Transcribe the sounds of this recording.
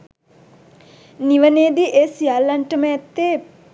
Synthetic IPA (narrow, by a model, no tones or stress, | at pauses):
niʋəneːd̪iʔeːsijalːanʈəməɛt̪ːe